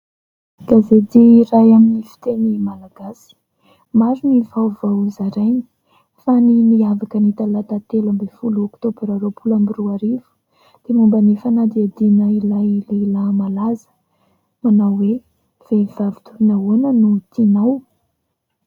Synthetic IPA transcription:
ɡ̥azed̪iiɾajaminifi̥t̪enimalaɡasi̥ | maɾinivawvawzaɾajni̥ | fanimiavakənit̪alat̪at̪elambefulokt̪obeɾaɾopʰulambiɾuaɾivu̥ | d̪̥emumbanefanad̪iad̪inəilajlelamalazə̥ | manawwe | v̥evavi̥t̪uɾinaonənut̪inaw

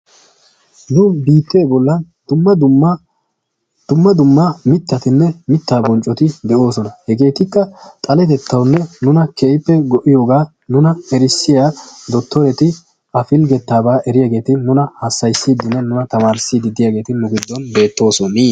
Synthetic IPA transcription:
nʊbiːt̪ːeːbɔlːɐn | d̪̥ʊmːɐd̪ | d̪̥ʊmːɐd̪ʊmːɐmɪt̪ːɐt̪ɪnːɛmɪt̪ːaːbɔnt͡ʃʼːɔt̪ɪd̪ɛʔo̞ːsɔnɐhɛɡe̞ːt̪ɪkːɐt̪ʼɐlɛt̪ɛt̪ʰːɐwnːɛnʊnɐkʰɛːʔɪpːɛɡɔʔɪjo̞ːɡaː | nʊnɐɛɾɪsːɪjaːd̪ɔt̪ːɔɾɛt̪ɪ | ɐfɪlɡɛt̪ːaːbaːʔɛɾɪjaːɡe̞ːt̪ɪnʊnɐhɐsːɐjsːiːd̪ːɪnːɛnʊnɐt̪ɐmaːɾsːid̪ɪd̪ɪjaːɡe̞ːt̪ɪnʊɡɪd̪ːɔnbe̞ːt̪ːo̞ːsɔni

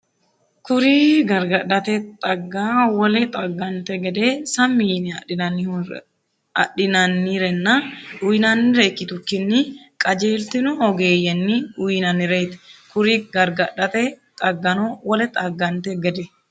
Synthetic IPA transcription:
kʊɾiɡɐɾɡɐᶑɐt̪ɛt̪ʼɐɡːaːwɔlɛt̪ʼɐɡːɐnt̪ɛɡɛd̪eːsɐmːiːnɪɐɪnɐnːɪ | ɐ̰ᶑɪnɐnːiɾɛnːɐᶑʊjɪnɐnːɪɾekːɪt̪ʊkːɪnːɪ | kʼɐd͡ʒeːlt̪ɪnʊɔɡeːjɛnːɪʔʊjnɐnːɪɾejt̪ɛ̥kʊɾiɡɐɾɡɐᶑɐt̪ɛt̪ʼɐɡːɐnowɔlɛt̪ʼɐɡːɐnt̪ɛɡɛd̪ɛ

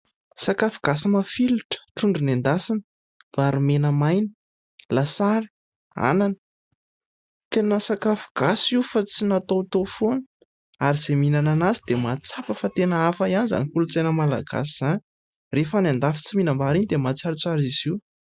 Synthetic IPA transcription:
sakafuɡ̥asimafiluʈ͡ʂə̥ʈ͡ʂuɳɖ͡ʐunend̪asinə̥ | v̥aɾumenəmajni̥ | lasaɾi̥ | a̰nanə̥ | t̪enəsakafu̥ɡ̥asiufat͡sinat̪ot̪ofuan | aɾiz̥eminananazid̪emat͡sapəfat̪enəafaianiza̰nikulut͡senəmala̰ɡa̰siz̥ani | refanend̪afi̥t͡siminəmbaɾinid̪emat͡saɾit͡saɾiz̥iw

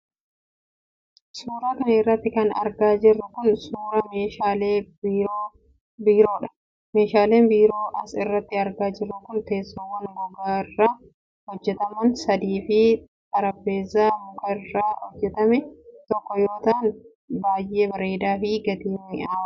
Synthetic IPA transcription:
suːɾaːkɐnɐɪrːɐt̪ːɪkɐnɐ̰ɾɡaːd͡ʒɪrːʊkʊnsuːɾɐmeːʃaːleːbɾoː | biːɾo̞ːᶑɐ̥ | meːʃaːle̞ːmbiːɾo̞ːʔɐsɪrːɐt̪ːɪɐɾɡaːd͡ʒɪrːʊkʊnt̪e̞ːsːɔwːɐnbʊɡaːɪrːaː | hɔd͡ʒːɛt̪ɐmɐnsɐd̪iːfɪ | t̪ɐɾɐbːe̞ːzaːmʊɡɐɪrːaːhɔd͡ʒːɛt̪ɐmɛt̪ɔkːɔjoːt̪aːn | baːjʔe̞ːbɐɾeːd̪aːfɪɡɐt̪iːɪaː

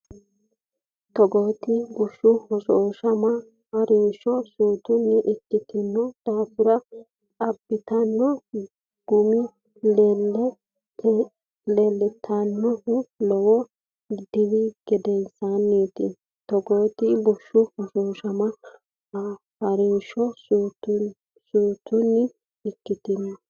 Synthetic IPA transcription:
t̪ɔɡoːt̪ɪbʊʃːʊhɔʃoːʃɐmɐ | hɐɾiːʃɔsuːt̪ʊnːɪʔɪt͡ʃːɪt̪ɪnːɔd̪̥aːfʊɾɐ | ɐbːɪt̪ɐnːɔ | ɡ̥ʊmɪ | lɛlːɛ | lɛlːɪt̪ʰːɐnːɔlɔwɔ | d̪ɪwɪɡ̥ɛd̪ɛnsanːiːt̪ɪ | t̪ɔɡoːt̪ɪbɔʃːʊhɐʃoːʃɐmɐ | hɐɾɪnʃɔsut̪ | suːt̪ʊnːɪ | ɪkːɪt̪ɪnːɔ

